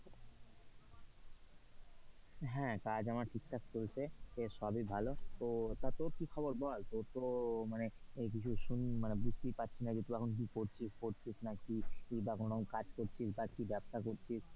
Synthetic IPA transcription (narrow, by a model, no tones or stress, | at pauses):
ɦɛ̃kad͡ʑamaɾʈʰik̚ʈʰakt͡ʃolt͡ʃʰeesɔbʱibʱalot̪ot̪at̪oɾkikʰɔboɾbʱɔlt̪oɾt̪omaneek̬it͡ɕʰuʃunmanebispipatːt͡ɕʰinabit̪uɛkʰonk̬ikoɾt͡ʃʰispoɾt͡ʃʰisnakiibakonokad͡ʑkoɾt͡ʃʰisbakibɛbsakoɾt͡ʃʰis